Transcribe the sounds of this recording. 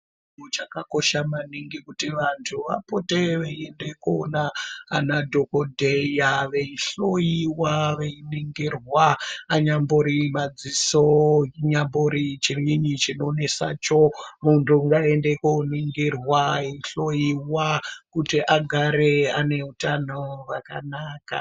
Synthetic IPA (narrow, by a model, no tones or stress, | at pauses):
ut͡ʃakako̞ʃamaniŋɡikutiʋantʰuʋa̰poteʋeiendekona̰ːnadʱokodʱejaʋeiɬojiwaʋeiniŋɡirwaːɲamboɾimad͡zisoiɲamboɾit͡ʃiriɲit͡ʃino̞nesa̰t͡ʃomuntʰuŋɡaendekoniŋɡirwaeiɬo̞jiwakutiʔaɡʱaɾeane̞utanoraka̰naːka̰